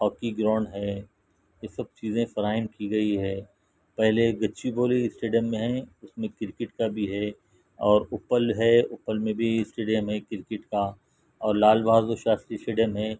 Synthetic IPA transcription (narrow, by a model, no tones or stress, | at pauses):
ɦɔːkiɡɾɔ̃ːɳɖɦɛː | jesɐb̚t͡ʃiːzẽfɐɾaːɪnpʰiɡɐiɦɛ̃ː | pɛɦleɡɐtːʃiboːliɪsʈeːɖijəmːẽɦɛ̃ʊsmẽkɪɾkɪʈkabʱiɦɛ | ɔːɾʊpəlɦɛʊpəlmẽbʱiɪsʈeːɖijəmɦɛ̃kɪɾkɪʈka | ɔːɾlaːlbaːzoʃaːst̪ɾisʈeːɖjəmɦɛ̃ː